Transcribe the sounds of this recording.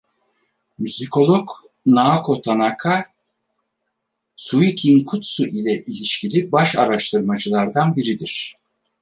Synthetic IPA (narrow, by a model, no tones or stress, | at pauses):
myzikʰo̞lˠok | naːkʰo̞t̪ʰanakʰa | suicʰinkʰut̪suʔilʲɛʔilʲiʃcʰilʲibaʃa̰ɾaʃt̪ʰɯɾmad͡ʒɯlˠaɾd̪anbiɾid̪iɾ̥